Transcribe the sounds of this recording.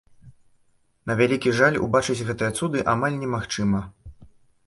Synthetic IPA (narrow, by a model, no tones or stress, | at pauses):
nɐvʲalʲikʲiʐalʲṵbat͡ʂɨt͡sʲɣɛt̪ɨjɐt̪sud̪ɨʔamalʲnʲɛmaxt͡ʂɨmɐ